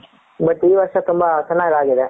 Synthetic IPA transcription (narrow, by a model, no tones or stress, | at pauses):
bɐʈːiːʋɐɾʂɐt̪umbɐt͡ʃɐnːaːɡaːɡid̪e